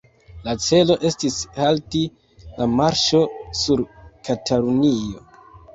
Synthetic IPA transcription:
lat͡se̞lo̞ʔe̞stishalti | lamaɾʃo̞suɾkatalunio̞̰

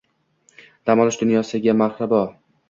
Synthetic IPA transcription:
d̪̥amɒlˠɪʃd̪ʊnjɒsɪɡʲamaɾhɾɪbɒ

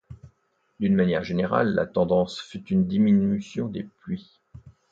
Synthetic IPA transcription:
d̪ynmanjɛʁʒeneʁa̰lːa̰t̪ɑ̃d̪ɑ̃sfyt̪ynd̪iminysjɔ̃d̪eplɥi

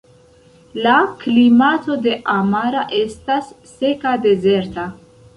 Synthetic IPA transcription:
laklimato̞de̞ʔamaɾaʔe̞stasːe̞kade̞ze̞ɾta

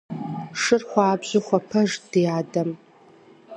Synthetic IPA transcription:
ʂɨrχʷɑːbʑʷʊχʷɐpʰɐʒd̥iaːdɐm

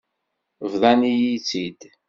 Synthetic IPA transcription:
vðˤɑnijit͡sːid̪

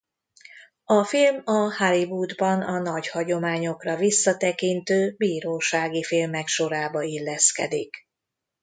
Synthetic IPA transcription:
ɒfilmɒhɒlibud̪bɒnɒnɒɟhɒɟo̞maːɲo̞krɒvisːɒt̪ɛkint̪øːbiːɾoːʃaːɡifilmɛkʃo̞ɾaːbɒilːɛskɛ̰d̪ik

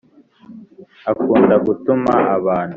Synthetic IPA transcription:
akuːndaɡutumaʔaβaːnhu

